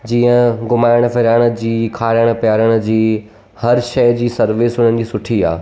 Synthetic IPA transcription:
d͡ʑiːə̃ɡʊmaːɪɽ̃fɪɾaːɪɽ̃ə̆d͡ʑiːkʰaːɾəɽ̃̆pjaːɾəɽ̃ʊ̆d͡ʑiː | hɐɾʃɐjd͡ʑiːsɐɾʋɪsʊn̤ənɪ̆d͡ʑiːsʊʈʰia̰ː

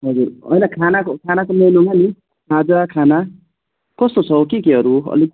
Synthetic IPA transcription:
ɦʌd͡zurʌ̰jnakʰanakokʰanakomenoŋɡani | ɾad͡zakʰana | kʌst̪ot͡sʰʌkekeɦʌɾuʌ̰li

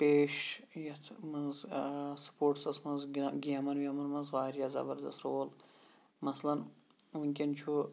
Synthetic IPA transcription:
peːʃ | jɐt̪ʰmɐnzsɐ̥poːʈsɐsmɐnzɡiɐmɐnʋʲiɐmɐnmɐnzɣaːiɾjazɐ̰bɐɾd̪ɐst̪ɾoːl | mɐslɐnʋiŋʲkʲint͡ʃʰu

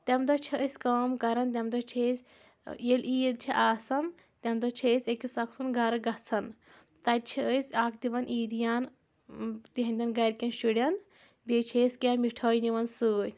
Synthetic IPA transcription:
t̪ɐmd̪ɐt͡ʃʰiʔəsʲkɐːmkɐɾɐnt̪̬ʲɐmd̪ɐt͡ʃʰesʲ | jeliːd̪t͡ʃʰiʔaːsɐn | t̪ʲɐmd̪ɐt͡ʃʰesʲekisɐksunɡɐɾɨɡɐt͡sʰɐn | t̪ɐt͡ʃʰiəsʲaːkd̪iʋɐnʔiːd̪ijaːn | t̪iɦɐ̃nʲd̪ʲɐnɡɐɾkʲɐnʃuɽʲɐn | bʲet͡ʃʰesʲkʲamiʈʰɐːjniʋɐnsɨːj

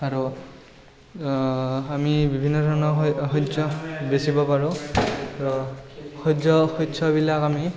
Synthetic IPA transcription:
aɹu | amibibʱinːɔtʰɔnɔxɔzɔbesibɔpaɹʊ̃ɹɔxɔzɔxɔtːsʰɔbilakami

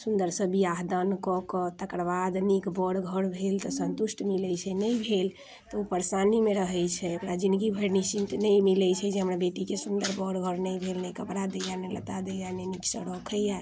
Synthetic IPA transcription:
sund̪əɾsəbiaɦd̪ənkɔkɔt̪əkɾbad̪nikbɔɽɡʱəɽbʱelt̪ɔsənt̪usʈʰmilɛjt͡ʃʰɛnəjbʱel | t̪ɔupəɾsanimeɾəɦɛjt͡ʃʰɛəpɾad͡ʒĩnd̪ɡibʱəɾnisint̪nəjmilɛt͡ʃʰɛd͡ʒeɦəmɾabeʈikesund̪əɾbɔɽɡʱəɽnəjbʱelnɛjkəpɽad̪ejanelət̪ad̪ejaneniksəɽɔkʰəja

